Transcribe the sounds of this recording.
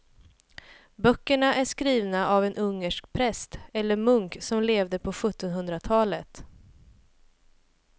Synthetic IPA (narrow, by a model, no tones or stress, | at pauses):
bœkːəɳaʔæʂkɾiːvnaʔavɛnʔɵŋːəʂkpʰɾɛst̪ɛlːəɾmɵŋksɔmleːvd̪əpʰɔɧɵt̪ːɔnɦɵnd̪ɾat̪ʰɑːlət̪